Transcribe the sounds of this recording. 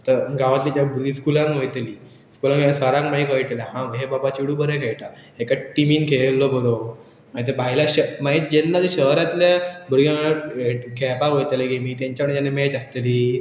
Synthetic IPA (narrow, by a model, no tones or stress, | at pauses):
t̪əɾɡaʋat̪lit̪abuɾɡiskulãŋkʋojt̪liː | skulãŋasəɾãŋkmaikəjʈ̪elaɦãʋɦebabat͡ɕiɽubəɾekʰeɭʈa | ɦekaʈimiːnkʰelːɔbəɾo | mait̪̬ebaɦjlaɕəmaɦit̪̚d͡ʑenːad͡zeɕəɦɾat̪ljabuɾɡãɭəekʰepakojt̪leɡemiːt̪ãɲt͡ɕapɳd͡ʑanemet͡ɕəst̪eliː